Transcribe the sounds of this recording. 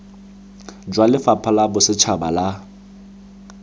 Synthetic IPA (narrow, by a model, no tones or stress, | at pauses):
d͡ʒwalɪfapʰalabʊsɪt͡ʃʰabala